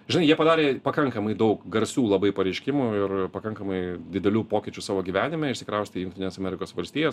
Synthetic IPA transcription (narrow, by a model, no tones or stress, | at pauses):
ʒʲɪnɐɪjiɛpɐd̪ɑːɾʲeːpɐkɐŋkɐmɐɪd̪ɐʊkɡɐɾʲsʲuːlˠɐbɐɪpɐɾʲɛɪʃʲkʲɪmuːɪrpɐkɐŋkɐmɐɪd̪ʲɪd̪ʲɛlʲuːpoːkʲɪt͡ʃʲusɑːʋoːɡʲiːʋʲæːnʲɪmʲɛɪʃʲsʲɪ̥kɾɐʊsʲt̪ʲɪjʊŋkt̪ʲɪnʲeːsɐmʲɛɾʲɪkoːsʋɐlʲsʲt̪ʲiːjoːs